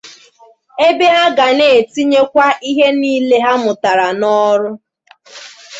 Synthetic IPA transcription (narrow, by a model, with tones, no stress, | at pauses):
e˦be˦a˦ɡa˨ne˨ti˦ɲe˦kʷa˦ʔi˦ɦe˦niː˦le˦ɦa˦mʊ˨ta˨ɾa˨nɔ˦ɾʊ˦